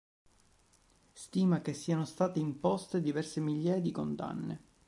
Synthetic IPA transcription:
st̪iːmak̟esːiːanost̪aːt̪eimpɔst̪ed̪ivɛrsemiʎːaːjad̪ikond̪a̰nːḛ

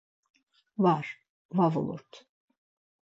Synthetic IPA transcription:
vaɾ̥ | vavo̰lˠṵɾt̪

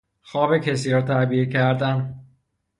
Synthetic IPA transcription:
xɒːbecʰesiːɾɒːt̪ʰæɾbicʰæɾd̪æn

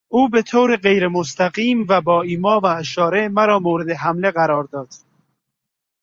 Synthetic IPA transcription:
uːbet̪ʰoːɾeɢejɾemost̪æɡiːmvæbɒːiːmɒːvæːʃɒːɾemæɾɒːmoːɾed̪eɦæmleɣæɾɒːɾd̪ɒːd̪̥

